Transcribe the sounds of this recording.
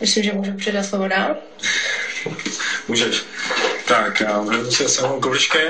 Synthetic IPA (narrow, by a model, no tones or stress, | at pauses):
mɪslɪmʒɛmuːʒupr̝̥ɛdat̪slovodaːl | muːʒɛʃt̪akjaɾɛusɛsɛmowkobɪʃkɛ